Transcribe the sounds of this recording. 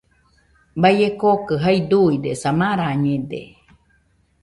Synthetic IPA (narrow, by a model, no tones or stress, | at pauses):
bajekokɨɦaid̪uid̪esamaɾaɲed̪ḛ